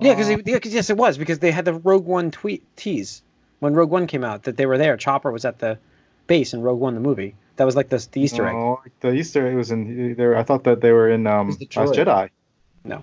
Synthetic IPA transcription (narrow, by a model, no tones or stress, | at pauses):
jækʌzɨkʌjɛsɨt̚wʌzbɨkʰʌzðeɪɨd̪̚ðɨɹoʊɡwʌ̃ntʰw̥itʰiz̥ | wə̃nɹoʊɡwʌ̃nkʰẽɪ̃maʊt̪̚ðɨt̪̚ðeɪwə˞ðə˞t͡ʃʰɑpə˞wʌzɨt̪̚ðɨ | b̥eɪsɨ̃n̩ɹoʊɡ̚wʌ̃nðəmuvi | ðɨt̚wʌzlaɪk̚ðɨðiistə˞ɛ̰aɪk̚ðɨistə˞ɛwʌzɨ̃nðeɪaɪθɔt̪̚ðɨt̪̚ðeɪwə˞ɪ̃nʌ̃mʌad͡ʒɛɾaɪ | no̰ʊ